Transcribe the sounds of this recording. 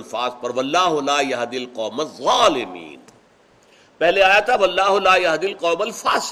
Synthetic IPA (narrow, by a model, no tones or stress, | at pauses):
lfaːzpɐɾʋɐlːaːɦʊlaːjɐɦd̪ɪlqɔːmɐzˤaːlɪmḭːn | pɛɦleaːjat̪ʰaʋɐlːaːɦʊlaːjɐɦd̪ɪlqɔːmɐlfaːs